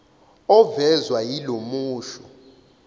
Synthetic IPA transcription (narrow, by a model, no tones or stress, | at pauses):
ɔvɛzwajilomuːʃɔ